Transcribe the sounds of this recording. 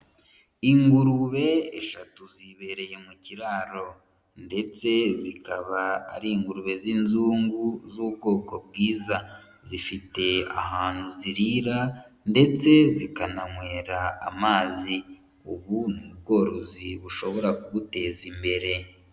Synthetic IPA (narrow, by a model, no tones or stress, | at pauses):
iŋɡuɾuβe̞ːʃatuziβe̞ɾe̞je̞muciɾaːɾo̞ | nde̞t͡se̞zikaβa̰ːɾiːŋɡuɾuβe̞zinzuːŋɡuzuːb̚ɡo̞ːko̞bɡiːza | zifite̞a̰haːn̥huziɾiɾa | nde̞t͡se̞zikanaŋwe̞ːɾaːmaːzi | uβunub̚ɡo̞ːɾoziβuʃo̞βo̞ɾakuɡute̞ːzimbe̞ɾe̞